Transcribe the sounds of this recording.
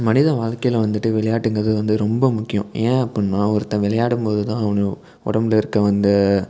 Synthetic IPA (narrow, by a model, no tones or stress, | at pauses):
mɐnɪðɐʋaːɻkɐjɪlʋɐnd̪ɯʈːɯʋɪɭɐjaːʈːɯŋɡɐɾɐðɯʋɐnd̪ɯɾɔmbɐmʊkːɪjõ̰ẽːɐpːɐɳnaːɔɾɯt̪ːɐ̃ʋɪɭɐjaːɽɯmpoːðɯt̪ãːɐʋɐnɯ | ɔ̰ɽɐmɪlɪɾɯkːɐʋɐnd̪ɯ